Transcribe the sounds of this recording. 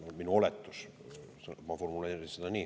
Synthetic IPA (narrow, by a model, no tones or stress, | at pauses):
nolminuolet̪ːus | sɑmɑformuleirisid̪æniː